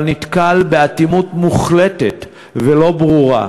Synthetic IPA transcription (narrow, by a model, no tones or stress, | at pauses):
lnit̪kalbeat̪imutmuχletet̪ | velo̞bʁuʁa̰